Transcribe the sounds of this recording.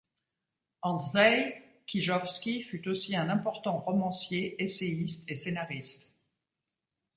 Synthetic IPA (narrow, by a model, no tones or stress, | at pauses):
ɑ̃ʁɛ | kʲiʒɔfskʲifyt̪osiɛ̃nɛ̃pɔʁt̪ɑ̃ʁɔmɑ̃sjeʔeseist̪esenaʁist̪